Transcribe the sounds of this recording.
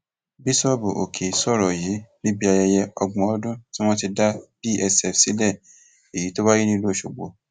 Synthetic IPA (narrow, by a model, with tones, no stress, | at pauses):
bi˦sɔ˦˨bu˨ʔo̰˨kʰe˨sɔ˦˨ɾɔ˨ji˨˦nĩ˦bi˦a˧jɛ˧jɛ˧ɔ˧ɡ͡bɔ̃˧ɔ˧˦dũ˦ti˦w̃ɔ̃˦ti˧da˦b̥i˦ʔɛ˧sɛ˨fsi˨˦lɛ˦˨ | e˨ji˨˦to˦ba˦ji˦nĩ˦lo˦˨ʃo˨ɡ͡bo̰˨